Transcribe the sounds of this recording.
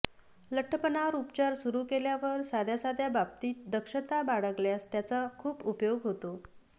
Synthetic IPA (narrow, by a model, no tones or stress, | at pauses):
ləʈʰːəpənaɾupt͡ɕaɾsuɾuːkeljaʋəɾsad̪ʱjasad̪ʱjabap̚t̪iːt̪̚d̪əkʂət̪abaɽəkljast̪jat͡sakʰuːpupjoɡɦot̪o